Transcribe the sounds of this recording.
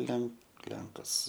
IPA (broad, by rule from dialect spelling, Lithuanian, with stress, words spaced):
ˈlʲɛŋk ˈlʲɛŋkɐs